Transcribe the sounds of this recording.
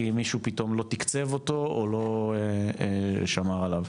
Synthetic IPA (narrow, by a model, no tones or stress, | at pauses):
imiʃupit̪o̞mlo̞t̪ikt͡se̞vo̞t̪o̞olo̞eeʃamaʁalav